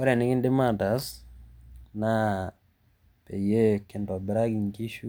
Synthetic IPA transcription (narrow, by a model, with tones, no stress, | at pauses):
ɔ˦ɾa˨nɪ˦kɪ˦ndɪ˦ma˨ta˨s | na˦ | pe˨je˦kɪ˨ndɔ˨bɪ˨ɾa˦ɡi˨ŋki˦ʃu˦